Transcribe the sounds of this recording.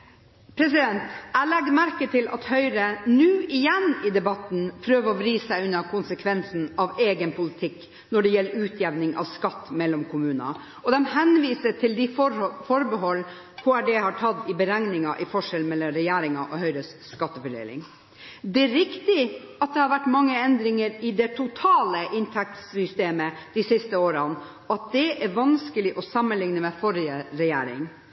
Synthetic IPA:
pʰɾɛs̬ɪd̪ɛnt̪ælɛɡd̪mæɾkət̪ʰɪlʔɑ̰t̪hœʏɾənʉːɪjɛnɪd̪ɛbɑt̪n̩pʰɾøːʋəɾɔʋɾiːssæɪʉnːəkʰʊnsəkʰʋɛnsn̩ɑʋeːɡənpʰʊlɪt̪ʰɪkː | nɔɖɛjɛlːəɾʉːt̪ʰjɛʋnɪŋʔɑ̰ʋskɑt̪ːmɛlːɔmkʰʊmʉːnɑ̰ | ɔd̪ɛmhɛnʋiːsəʈ̪ʰɪld̪ɪfɔɾbəɦɔlː | kʰʊæɖɛhɑʈʰɑd̪ɪbəɾɛŋnɪŋɑʔɪfɔʂɛlmɛlːɔɾɛjæːɾɪŋɑʔɔhœʏɾəsskɑt̪ːəfəɖḛːlɪ̰ŋ | d̪ɛæɾɪkt̪ɪɑt̪̚d̪ɛhɑɾʋæʈːmɑŋːəɛnd̪ɾɪŋəɾɪd̪ɛt̪ʰʊt̪ʰɑːləʔɪnt̪ʰɛk̚t̪ssʏst̪eːməd̪̥ɪsɪst̪əoːɾɑn | ɔɑt̪̚d̪ɛʔæɾʋɑnskəlɪʔɔsɑmːənlɪŋnəmɛfɔɾɪəɾɛjæ̰ːɾɪ̰ŋ

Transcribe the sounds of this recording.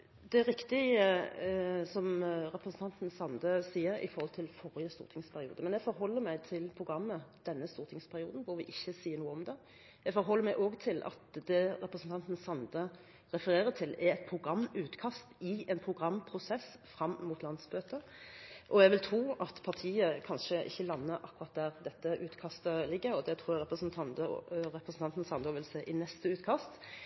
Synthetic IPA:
d̪ɛɾɪkt̪ɪə | sɔmɾɛpɾəsn̩t̪ʰɑnt̪n̩sɑnd̪əsiːəɾɪ̰fɔʁhɔlt̪ʰɪlfɔʁɪəst̪ṵːɾt̪ʰɪŋspʰæɾɪṵːd̪əmɛnjɛɡfɔɾɦɔlːəɾmæɪt̪ʰɪlpʰʁʊɡʁɑmːəd̪̥ɛnːəst̪uːɾt̪ʰɪŋspʰæʁɪuːd̪n̩bʊɾʋɪʔɪçːəsiːəɾnuːəɔmd̪ɛ | jɛɡfɔɾɦɔlːəɾmæɪʔoːɡt̪ʰɪlʔɑ̰t̪d̪ɛɾɛpɾəsn̩t̪ʰɑnt̪n̩sɑnd̪ə | ɾɛfəɾeːʁət̪ʰɪlæɾɛt̪pʰʁʊɡɾɑmːʉːt̪kʰɑst̪ɪɛnpʰʁʊɡʁɑmːpʰɾʊsɛsfɾɑmːmuːt̪lɑnd̪sbøːt̪ə | ʔɔɛɡʋɪlt̪ʰʁuːɑt̪pʰɑt̪ʰiːəkʰɑnʂəʔɪ̰çːəlɑnːəɾʔɑ̰kːʊʁɑt̪̚d̪æːʁd̪ɛt̪ːəʔʉːt̪kʰɑst̪əlɪɡːəɾɔd̪ɛt̪ʰɾuːjæɾɛpʁəsnt̪ʰɑnəɾɛpʁəsn̩t̪ʰɑnt̪n̩sɑnd̪ɔʋɪlseːʔɪnɛst̪əʉːt̪kʰɑst̪

